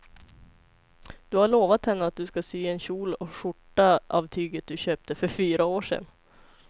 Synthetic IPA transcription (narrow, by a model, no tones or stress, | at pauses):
d̪̥ɵhaɭoːvat̪hɛnːəat̪̚d̪ɵskasyːɛnɕuːlɔɧʊʈːaʔa̰vt̪ʰyːɡət̪̚d̪ɵɕøːp̚t̪əfœɾfyːɾaoːʂɛ̰n